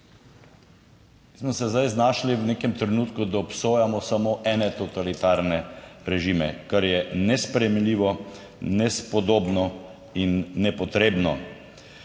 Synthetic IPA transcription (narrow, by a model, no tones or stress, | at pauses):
ismɔsɛzd̪ajznaːʃliwneːkɛmt̪ɾɛnut̪kud̪aɔpsoːjamɔsamoːʔɛːnɛt̪ɔt̪alit̪aɾnɛɾɛʒimɛkaɾjɛnɛspɾɛjɛmmliːʋɔ | nɛspɔd̪oːbnɔ | inːɛpɔt̪ɾeːbnɔ